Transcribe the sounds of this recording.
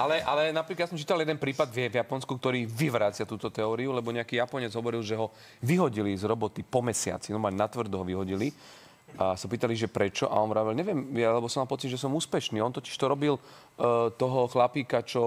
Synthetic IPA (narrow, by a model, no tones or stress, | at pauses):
ʔalɛʔalɛnapɾiklad̪jasɔmt͡ʃiːt̪aljɛd̪ɛnpɾiːpad̪vjɛvjapɔnskukt̪ɔɾiːʋiʋɾaːt͡sɪat̪uːt̪ɔt̪ɛɔːɾiulɛbɔɲɛakiːjapɔɲɛd͡zɦɔʋɔɾilʒɛɦɔ | ʋiɦɔɟilizɾɔbɔt̪ipɔmɛsɪa̰t͡sinɔmaːlnat̪ʋr̩d̪uɦɔʋiɦɔɟili | asapiːt̪aliʒɛpɾɛt͡ʃɔʔa̰ɔnʋɾaːʋɛlɲɛʋɪɛmɛlɛbɔsɔmalˠpɔt͡sid̪ʒɛsɔmuːspɛʃniːɔnt̪ɔci̥ʃt̪ɔɾɔbil | t̪ɔɦɔxlapiːkat͡ʃɔ